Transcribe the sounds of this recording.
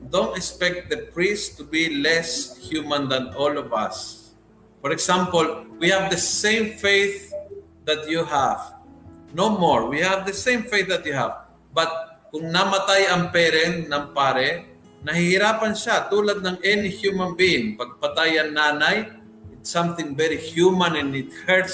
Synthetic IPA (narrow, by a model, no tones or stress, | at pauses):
d̪õnt̪ɛkspɛk̚t̪̚d̪əpɹist̪ʊbilɛshjumãnd̪ɐnʔɔlɔvɐ̰s | fɔɹɛksampolwihavd̪ɐsẽjmfejθ | d̪ɐt̪̚juɦav̥nowmoɹwihavd̪ɐsẽjmfejθ̚d̪ɐt̪̚juha̰v | bɐt̪̚kʊŋnɐmɐt̪ajɐŋpɛɾɛnnɐŋpaːɾɛ | nɐhɪhɪɾaːpɐnʃat̪uːlad̪̚nɐŋʔɛnɪhjumɐ̃nbiɪŋpɐɡ̚pɐt̪ajɐŋnaːnaj | ɪt̪sãmθɪ̃ŋvɛɾɪhjumãnɛ̃nɪt̪̚hɛɹt̪